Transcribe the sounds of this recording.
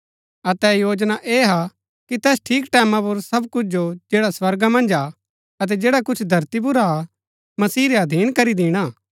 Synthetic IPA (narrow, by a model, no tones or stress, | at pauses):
ɐt̪ɛjoːd͡ʒnaʔeːɦa | kit̪ɛːsʈʰiːkʈɛːmãp̬ʊɾsɐbkʊt͡ʃʰd͡ʒod͡ʒeːɽaswɐɾɡamɐ̃nd͡ʒa | ɐt̪̬ɛd͡ʒeːɽakʊt͡ʃʰd̪ʱɐɾt̪ib̬ʊɾaa | mɐsiːɾeɐd̪ʱiːnkɐɾid̪ɪːɽ̃aː